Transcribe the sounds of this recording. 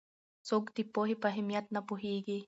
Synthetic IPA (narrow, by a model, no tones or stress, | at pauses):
sokt̪ipoɦipaɦimjat̪̚napuɦiɡi